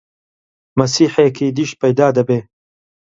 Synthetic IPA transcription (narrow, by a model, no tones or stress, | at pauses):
mɐsiːħekiːd̪iʃt̪̚pɐjd̪aːd̪ɐbeː